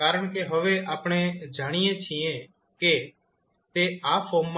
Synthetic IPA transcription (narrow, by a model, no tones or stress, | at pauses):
kaːɾəɳ̃keːɦəʋeːʔaːpɳeːd͡ʒaːɽ̃ijẽːt͡ʃʰiẽː | keː | t̪eːaːpʰoːmm